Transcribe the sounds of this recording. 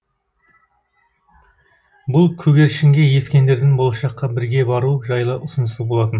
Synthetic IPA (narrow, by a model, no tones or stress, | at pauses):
bʊlˠkʲʰɵɡʲe̞ɾʃɪŋɡʲe̞je̞skʲe̞nd̪e̞ɾd̪ɪnbo̞lˠɑʃɑqːɑbɪɾɡʲe̞bɑɾuʒɑjlˠəʔʊsənəsəzbo̞lˠɑt̪ən